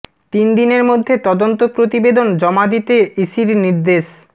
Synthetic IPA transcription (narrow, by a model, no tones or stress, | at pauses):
t̪ind̪ineɾmod̪ʱːet̪ɔd̪ont̪opɾot̪ibed̪ond͡ʑɔmad̪it̪eiʃiɾniɾd̪eʃ